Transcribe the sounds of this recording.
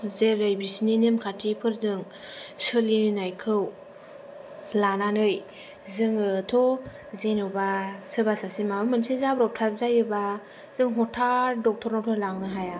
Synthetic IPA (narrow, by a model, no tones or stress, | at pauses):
zeɾajbisininemkʰatʰipʰɯɾzɯŋ | sɯlinnajkʰɯw | lananɯj | zɯŋɯtʰɔ | zenɯbasɯbasasimaɯmɯnsizabɾɔp̚tʰap̚zajɯba | zɯŋɦɔtʰaɾdɔk̚tʰɔɾnɔtʰɔlaŋnɯɦaja